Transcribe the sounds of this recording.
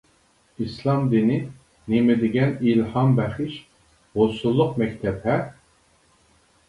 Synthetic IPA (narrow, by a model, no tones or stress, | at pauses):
islˠɑmd̪ini | nemed̪iɡʲɛnilhɑmbæχiʃ | ʁosulˠːuqmɛkʲt̪ʰɛbhɛ